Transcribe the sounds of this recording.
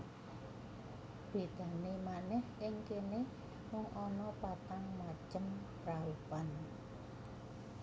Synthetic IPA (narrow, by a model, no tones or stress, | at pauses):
b̥e̤d̪̥a̤nemanɛhʔɪŋkenɪ | mɔŋʔɔnɔpat̪aŋmat͡ʃəmpɾaupan